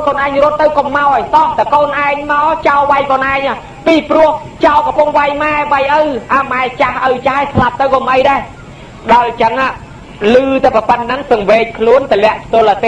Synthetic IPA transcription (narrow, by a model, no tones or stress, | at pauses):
koːnʔaɛŋrʊ̆ət̪ːɨwkomːaɔjt̪ɑːht̪akoːnʔaɛŋmaɔt͡ɕaɔʋajkoːnʔaɛŋʔa | piːprʊ̆əh | t͡ɕaɔkɔpuŋʋajmaɛʋajʔəwʔamaɛt͡ɕahʔəwt͡ɕahajslap̚t̪ɨwkomʔəjɗaɛ | ɗaɔjt͡ɕəŋaː | lɨːt̪apəpət̪̚nɨŋsɨŋʋeːc̚kʰluənt̪əlɛ̆əʔpt̪ʊ̆əlʔət̪eː